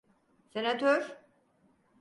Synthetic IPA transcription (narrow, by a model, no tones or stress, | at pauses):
senat̪ʰøɾ